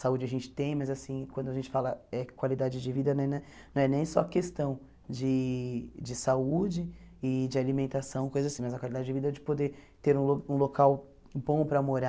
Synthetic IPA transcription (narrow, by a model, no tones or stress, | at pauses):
saud͡ʒɪaʒẽnt͡ʃɪ̥t̪ẽj̃mɐzasĩkwɐ̃nd̪ʊaʒẽnt͡ʃɪ̥falɐɛkwalid̪ad͡ʒɪd͡ʒɪvid̪ɐnɛ̃nɛ̃ | nɐ̃w̃ɛnẽj̃sɔɐkest̪ɐ̃w̃ | d͡ʒɪ | d͡ʒɪsaud͡ʒɪɪd͡ʒɪalimẽnt̪asɐ̃w̃kojzɐzasĩmɐzɐkwalid̪ad͡ʒɪd͡ʒɪvid̪ɐɛd͡ʒɪ̥pod̪et̪eɾũloũlokaw | bõw̃pɾɐmoɾa